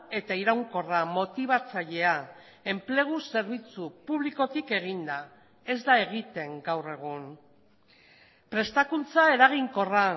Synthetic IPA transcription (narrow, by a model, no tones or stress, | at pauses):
e̞t̪aiɾawŋko̞ramo̞t̪iβ̞at͡saʎe̞a | e̞mple̞ɣ̞use̞ɾβit͡supuβliko̞t̪ike̞ɣind̪a | e̞zd̪ae̞ɣ̞it̪e̞ŋɡawre̞ɣ̞un | pɾe̞st̪akunt͡sae̞ɾaɣiŋko̞ra